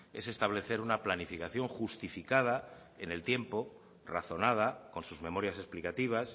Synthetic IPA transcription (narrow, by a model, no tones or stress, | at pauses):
e̞̰se̞st̪aβ̞le̞θe̞ɾunaplanifikaθjo̞ŋxust̪ifikað̞a | ene̞lt̪je̞mpo̞ | raθo̞nað̞ako̞nsuzmẽ̞mo̞ɾjase̞splikat̪iβ̞as